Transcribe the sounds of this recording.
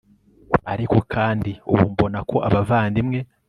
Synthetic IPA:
aɾiko̞kʰaːndiṵβṵmbo̞nakʰo̞ʔaβavaːndimŋe̞

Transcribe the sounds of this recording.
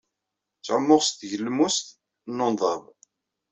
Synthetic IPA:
t͡sːʕəmːʊʁst̪ʝəlːmust̪ | nːonðˤɑv

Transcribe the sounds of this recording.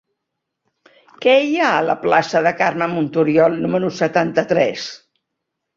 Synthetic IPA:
kɛjaələ̰plasəðəkarməmunt̪uɾjɔlˠnuməɾusət̪ant̪ət̪ɾɛs

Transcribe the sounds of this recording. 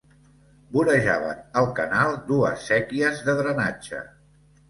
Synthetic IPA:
buɾəʒaβ̞ə̰nəlˠkənalˠd̪uəsːɛkiəzðəðɾənad͡ʒə̰

